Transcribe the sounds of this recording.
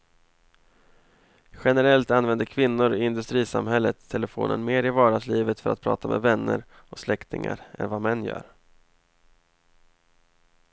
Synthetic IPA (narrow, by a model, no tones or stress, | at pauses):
ɧɛnɛɾɛlt̪anvɛnd̪əkʰvɪnːʊɾɪɪnd̪ɵst̪ɾiːsa̰mɦɛlːət̪ʰːɛləfo̰ːnʔənmeːɾɪvɑːɖasliːvət̪fœɾa̰t̪̚pʰɾɑ̰ːt̪ʰamʔɛvɛnːəɾ | ɔslɛkt̪ɪŋa̰ɾɛ̰nvamɛnːjœ̰ːɾ